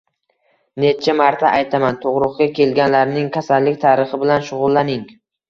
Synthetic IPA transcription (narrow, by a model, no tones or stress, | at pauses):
ne̞t͡ʃʰamaɾt̪ʰaʔajt̪ʰamant̪ʰoʁɾʊqkʲakʲʰe̞lɡʲanlaɾnɪŋkʲʰasalːɪkʲt̪ʰaːɾɨχɪbɪlanʃʊʁʊlˠːanɪŋ